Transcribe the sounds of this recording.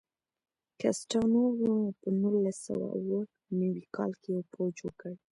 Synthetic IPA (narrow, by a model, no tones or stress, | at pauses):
kasʈanowunpənulasa̰wa̰uwə | nəwikʰɑlkejpod͡ʒəkəɽ